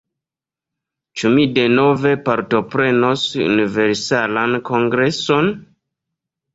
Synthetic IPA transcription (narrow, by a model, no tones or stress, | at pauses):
t͡ʃumide̞no̞ve̞paɾto̞pɾe̞nosṵnive̞ɾsalanko̞ŋɡɾe̞so̞n